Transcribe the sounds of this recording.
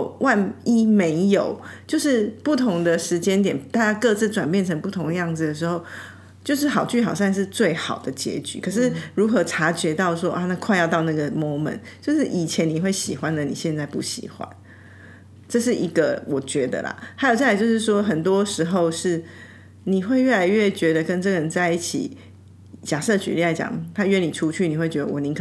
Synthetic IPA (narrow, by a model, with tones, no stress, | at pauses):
wʔa˥˧ni˥me˧˥ɪjo˨˩ʊt͡ɕjo˥˧ʊʂɻ̩˥˧pu˥˩t̪ʰʊ˧˥ŋd̪ə˨ʂɻ̩˧˥t͡ɕjɛ˥nt̪jɛ˨˩nt̪a˥˧t͡ɕja˥kɤ˥˧t͡sɹ̩˥˩ʈ͡ʂwa˨˩npjɛ˥˩nʈ͡ʂʰə˧˥ŋpu˥˩t̪ʰʊ˧˥ŋd̪ə˧jɑ˥˩ŋd͡zɹ̩˩d̪ə˩ʂ̬ɻ̩˧˦xo˥˧ʊ | t͡ɕjo˥˧ʊʂɻ̩˥˩xɑ˨˩ʊt͡ɕy˥˩xɑ˨˩ʊsa˥˧nʂ̬ɻ̩˥˧t͡swe˥˩ɪxɑ˨˩ʊd̪ə˩t͡ɕjɛ̰˧˥t͡ɕy̰˨˩kʰɤ˨˩ʂ̬ɻ̩˥˩ɻu˧˥xɤ˧˥ʈ͡ʂʰa˧˥t͡ɕɥɛ˧˥t̪ɑ˥˩ʊʂwɔ˦˥ʔa˥˧na˥˧kʰwa˥˧ɪjɑ˥˧t̪ɑ˥˧ʊna˥˩ɡə˩mɔ˥mə̰˨˦nt͡ɕjo˥˧ʊʂɻ̩˥˩ʔi˨˩t͡ɕʰjɛ˧˦ni˨˩xwe˥˩ɪɕi˨˩xwa˦nlə˨ni˨˩ɕjɛ˥˧nt͡sa˥˧ɪpu˥˩ɕḭ˨˩xwa̰˦n | ʈ͡ʂɤ˥˧ʂ̬ɻ̩˥˩ʔi˧˥ɡə˧wɔ˨˩t͡ɕɥɛ˧˥d̪ə̰˧˨la̰˩ha˧˥ɪjo˨˩ʊt͡ɕt͡ɕjo˥˧ʊʂɻ̩˥˩ʂ̬wɔ˥xə˨˩nt̪wɔ˥ʂɻ̩˧˥xo˥˧ʊʂɻ̩˥˩ | ni˨˩xwe˥˧ɪɥɛ˥˩la˧ɪɥɛ˥˩t͡ɕɥɛ˧˥d̪ə˨˧kə˦˥nʈ͡ʂɤ˥˩ɡə˩ɻə˧˦nt͡sa˥˧ɪi˥˩t͡ɕʰḭ˨˩ | t͡ɕja˨˩ʂɤ˥˧t͡ɕy̰˨˥li˥˩la˧˥ɪt͡ɕjɑ̰˨˩ŋt̪ʰa˥ɥɛ˥˧ni˨˩ʈ͡ʂʰu˦˥t͡ɕʰy˥˩ni˨˩xwe˥˩ɪt͡ɕɥɛ˧˥ə˧wɔ˨˩nĩ˧˦kʰ